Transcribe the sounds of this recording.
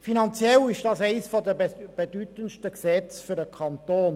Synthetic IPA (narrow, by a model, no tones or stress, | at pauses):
finɑnt͡sjɛlɪʃd̥ɑsɛɪsfɔd̪əb̥ed̪yt̪ənʃtəksɛt͡sfyɾəkʰɑnt̪oːn